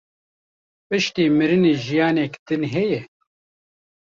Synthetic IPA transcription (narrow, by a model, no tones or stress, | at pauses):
pɨʃt̪iːmɨɾɨneːʒijɑːnɛkd̪̥ɨnɦɛjɛ